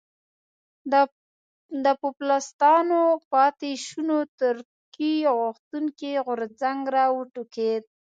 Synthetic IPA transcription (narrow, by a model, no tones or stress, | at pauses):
d̪əpʊplast̪ɑnopɑt̪eʃunot̪ʊɾ | kijawɣʊxt̪uŋkiɣʊɾzaŋɡɾɑwəʈuked̪̚